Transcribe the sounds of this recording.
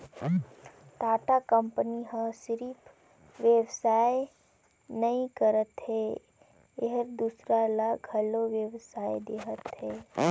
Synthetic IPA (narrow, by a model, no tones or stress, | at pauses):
t̪aːʈakəmpəniɦə̃sɾiːp | ʋjewsaːe | nəĩkəɾət̪ɦe | eɦəɾd̪usɾalaɡʱəloʋjəʋsaːjed̪eɦət̪ɦeː